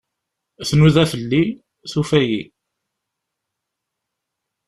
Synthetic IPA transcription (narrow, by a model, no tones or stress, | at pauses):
θnuðæfəlːi | θufæjḭ